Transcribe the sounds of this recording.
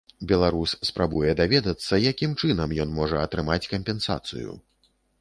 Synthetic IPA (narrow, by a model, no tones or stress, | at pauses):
bʲɛlˠaɾusːpɾabujɛd̪avʲɛd̪ɐt̪sːɐjakʲimt͡ʂɨnɐmjɔnmɔʐɐɐt̪ɾɨmat͡sʲkɐmpʲɛnsa̰t̪sɨ̰jṵ